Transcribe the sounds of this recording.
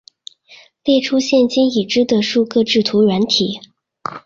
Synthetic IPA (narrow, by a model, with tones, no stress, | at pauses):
le˥˩ɪʈ͡ʂʰu˥ɕjɛ˥˩nt͡ɕi˥ni˨˩ʈ͡ʂɻ̩˥d̪ə˨ʂu˥˧kɤ˥˧ʈ͡ʂɻ̩˥˩t̪ʰu˧˥ɥɛ˧˥nt̪ʰi˨˩˦